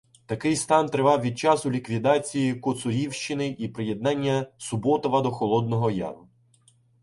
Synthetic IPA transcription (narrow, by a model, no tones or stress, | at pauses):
t̪ɐkɪjst̪ɑnt̪ɾɪʋɑwʋʲid̪̚t͡ʃɑsʊlʲikʋʲid̪ɑt͡sʲijikʊt̪sʊɾʲiwʃt͡ʃɪnɪʔipɾɪjed̪nɑnʲːɐsʊbɔt̪ɔʋɐd̪ɔxɔlˠɔd̪nɔɦɔjɑ̰ɾʊ